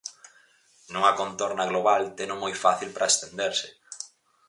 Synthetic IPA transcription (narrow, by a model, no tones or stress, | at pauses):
nuŋɐkont̪oɾnɐɣloβalt̪enʊmojfaθilpɾɐest̪end̪eɾsɪ